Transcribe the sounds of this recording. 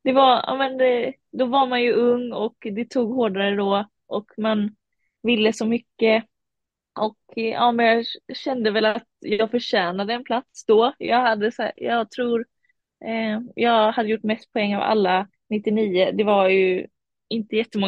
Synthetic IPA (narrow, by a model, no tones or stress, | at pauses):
d̪̥ɛvaɑ̰ːmɛnd̪ | d̪ɔvaɾmanjɵɵŋːɔkd̪ɛt̪ʰuːɡɦoːɖaɾəd̪ɔ | ʔɔkman | vɪlːəsɔmʏkːə | ʔɔkɑ̰ːmɛnjɑːɕɛnd̪əvɛlat̪jɑːɡfœɾʂæːnad̪əːnpʰlat̪sd̪ɔjɑ̰ːɡhad̪ːəsæ̰ːjɑːɡt̪ʰɾuːɾ | jɑːɡhad̪ːəjʊʈːmɛst̪̚pʰɔɛŋːa̰va̰lːa | nɪt̪ːɪniːəd̪ɛvaɾjɵ | ɪnt̪əjɛt̪ːəmɔŋː